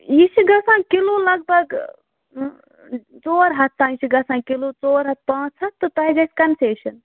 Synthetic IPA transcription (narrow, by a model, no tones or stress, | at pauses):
jit͡ʃʰiɡɐsãkilolɐɡ̚bʱɐɡ | t͡ʃoːɾɦɐt̪ːãit͡ʃʰiɡɐsãkilot͡ʃoːɾɦɐt̪̚pãːt͡ʃʰɐt̪t̪ːot̪ɐɦiɡɐskɐnseːʃɐn